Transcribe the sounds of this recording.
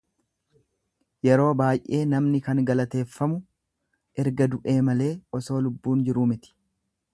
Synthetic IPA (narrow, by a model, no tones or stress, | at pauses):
jɛɾo̞ːbaːjʔe̞ːnɐmnɪkɐŋɡɐlɐt̪e̞ːfːɐmʊ | ɛɾɡɐd̪ʊʔe̞ːmɐle̞ːʔɔso̞ːlʊbːuːnd͡ʒɪɾuːmɪt̪ɪ̥